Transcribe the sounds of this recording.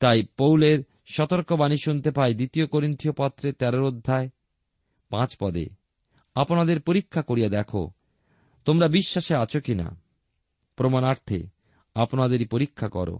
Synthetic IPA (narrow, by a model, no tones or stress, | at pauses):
t̪ajpowleɾ | ʃɔt̪oɾkobaniʃunt̪epaed̪it̪iokoɾint̪iopɔt̪ːɾet̪ɛɾoɾod̪ʱːae | pãt͡ɕpɔd̪ḛ | aponad̪eɾpoɾikʰːakoɾijad̪ɛkʰo̰ | t̪omɾabiʃːaʃeat͡ɕʰokina̰ | pɾomanaɾt̪ʰḛ | aponad̪eɾipoɾikʰːakɔ̰ɾo̰